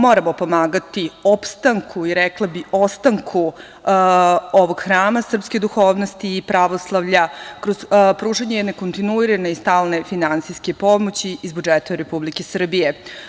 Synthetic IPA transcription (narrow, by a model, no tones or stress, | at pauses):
mo̞ɾamo̞po̞maːɡat̪iopst̪aŋkʰuiɾɛklˠabiʔo̞st̪aŋkʰu | oʋo̞ɡ̥xɾaːmasr̩pske̞d̪uxo̞ːʋno̞st̪iːpɾaʋo̞slˠaʋʎakɾozpɾuːʐaɲejɛd̪ne̞ko̞nt̪inuiɾane̞ist̪aːlˠne̞finant̪sijske̞po̞mot͡ɕiizbud͡ʒet̪aɾepublikesr̩bije̞